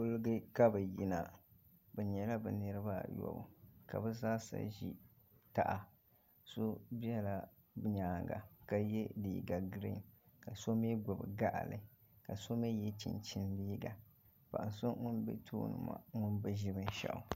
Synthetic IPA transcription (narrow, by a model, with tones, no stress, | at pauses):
ʊ˦lɨ˦ɡɨ˦ka˦bɛ˨ji˦na˨bɛ˨ɲɛ˨la˦bɛ˨nɨ˦ɾɨ˦ba˦jɔ̰˨bɨ̰˨ka˨bɛ˦zaː˦sa̰˦ʒi˦ | ta˨ʔa˨ | so˦bi˦ɛ˦la˦˨ | bɲaː˨ŋɡa̰˨ka˦jɛ˦dḭː˨˦˨ɡa˨ɡɾḭ˦˨n | ka˨so˦mi˦ɡʊ˨bɨ˨ɡa˦ʔa̰˨lɨ˨˦ | ka˨so˦mi˦jɛ˦t͡ʃḭ˨nt͡ʃi˦ndiː˦ɡa˨ | pa˨ʔnso˦ŋʊ˦nbɛ̰˦tʰo̰ː˦nɨ̰˨ma̰˨ŋʊ˦nbɨ˦ʒi˦bɨ˦n˦ʃa̰˨ʔʊ̰˨